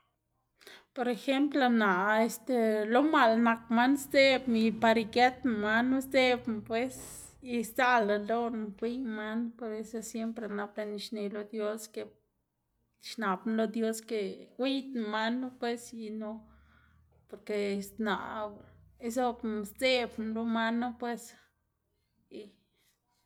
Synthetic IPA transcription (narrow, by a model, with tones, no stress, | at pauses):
po˧ɾe˧xe˦mpla˧na˨e˧st̪e˧lo˧ma˨lna˧kma˦nsd͡ze˦bi˧pa˧ɾi˧ke˦t̪n˧ma˦nːu˦sde˦bmpwe˦s | i˧st͡sa˦la˨lo˦n˧ɡʷi˦ɲma˦npe˧ɾe˦sa˧sje˦mpɾe˧na˧ble˧ni˧ʃne˨lo˧d̪jo˦ske˧ | ʃna˨bn˦lo˧d̪jo˦ske˧wʷi˦t̪n˧ma˦nu˦pwe˦si˧no˦ | po˨˧ɾke˧sna̰˨ʔ | e˦so˦bst͡se˦˧bn˧lo˦ma˦no˦pwe˧s | i˧